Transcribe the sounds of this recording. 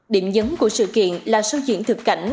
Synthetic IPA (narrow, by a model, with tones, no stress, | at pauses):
ɗi˧˩əmzə˨˦nku˧˩əsɨ̰˧˨kḭ˧˨ənlaː˨˩sə˧wzɨ̰˧˨əŋt̪ʰɨ˨˩kːa̰˧˩jŋ̟